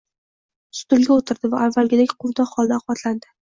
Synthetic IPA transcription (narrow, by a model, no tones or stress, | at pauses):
sʊ̥t̪ʊlɡʲaot̪ʰɪɾd̪ɪvaavːalɡʲɪd̪ekʲqʰʊvd̪ɒχɒlˠd̪aɑqbɒt̪ʰland̪ɪ